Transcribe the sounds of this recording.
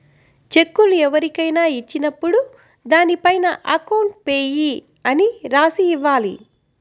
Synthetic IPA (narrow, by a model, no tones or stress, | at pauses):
t͡ʃe̞kːuluɛʋɐɾikɐjnaːit͡ʃːinɐpːuɽu | d̪aːnipɐjnɐʔɐkɐwɳʈ̚peːji | ɐniɾaːsiːʋːaːlḭ